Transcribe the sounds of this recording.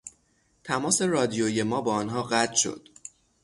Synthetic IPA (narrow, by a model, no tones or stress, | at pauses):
t̪ʰæmɒːse̞rɒːd̪ijoje̞mɒːbɒːɒnɦɒːɢæt̪ʰʃo̞̰d̪̥